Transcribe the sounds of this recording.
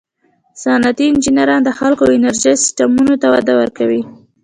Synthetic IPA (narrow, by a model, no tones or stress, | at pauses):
sɑnat̪iɪnd͡ʒinaɾɑnd̪əxalkoawɪnaɾʒejsɪ̥sʈamunot̪awad̪awəɾkawi